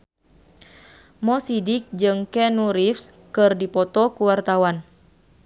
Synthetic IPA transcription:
mɔsidik̚d͡ʒɨŋkɛnuɾifs | kɨrdipɔt̪ɔkuwart̪awan

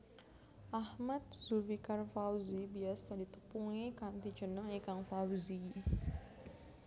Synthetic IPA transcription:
ʔahmat̪̚zuvikarfawzibiasadit̪əpuŋikant̪it͡ʃənəŋekaŋfawzi

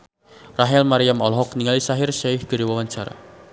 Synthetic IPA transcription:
raɦɛlmaɾiamɔlɦɔk̚niŋalisaɦɪrʃahɡ̥əɾiwawaɲt͡ʃaɾa̰

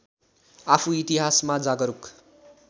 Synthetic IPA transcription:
apʰuit̪iɦasmad͡zaɡʌɾuk

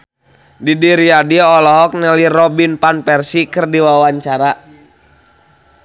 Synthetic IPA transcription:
didiɾiadiɔlɔɦɔk̚nɛlirɔbinpanpɛrsikɨrdiwawaɲt͡ʃaɾa

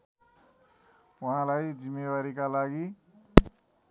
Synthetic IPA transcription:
waɦãlajd͡zimːewaɾikalaɡi

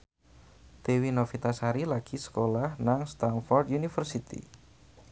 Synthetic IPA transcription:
d̪̥e̤winofit̪asaɾilaɡ̥i̤sə̥kolahnaŋst̪anfɔrd̪junifərsit̪ḭ

